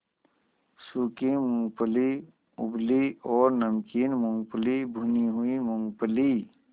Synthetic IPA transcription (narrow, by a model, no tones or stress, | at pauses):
sukimʊ̃ŋɡpəli | ʊ̰bliɔːɾnəmkiːnmʊŋɡpəlibʱuniɦuimʊŋɡpəli